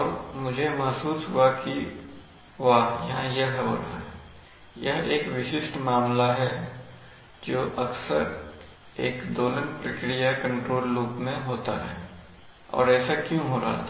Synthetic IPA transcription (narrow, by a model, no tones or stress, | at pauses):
ɔːɾmʊd͡ʒʱemɐɦsuːsɦuaki | ʋajɐɦãjɐɦɦɦo̰ːɾa̰ɦɛ | jɐɦeːkʋɪʃɪʃʈmaːmlaɦɛ | d͡ʒoːʔɐksə̰ɾ | eːkd̪oːlənpɾəkɾijakɐ̃ɳʈɾoːlːuːpmẽɦoːt̪a̰ɦɛ̰ː | ɔ̰ːɾɛːsakjõɦoːɾa̰ɦa̰